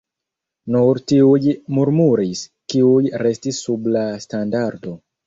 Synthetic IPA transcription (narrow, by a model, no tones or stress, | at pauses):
nuɾtiujmuɾmuɾis | kiujɾe̞stisːublastandaɾdo̞